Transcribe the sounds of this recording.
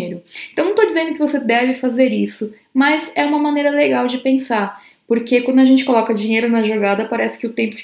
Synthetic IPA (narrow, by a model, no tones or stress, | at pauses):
ejɾʊẽt̪ɐ̃w̪̃ɐ̃w̃t̪od͡ʒizẽnd̪ʊkɪvosed̪ɛvɪfazeɾisʊ | mɐzɛũmɐmɐnejɾɐleɡawd͡ʒɪpẽsaɾ | poɾkekwɐ̃nd̪ʊɐʒẽnt͡ʃɪ̥kolɔkɐd͡ʒĩɲejɾʊnɐʒoɡad̪ɐpaɾɛsɪ̥kɪʊt̪ẽmpʊ̥f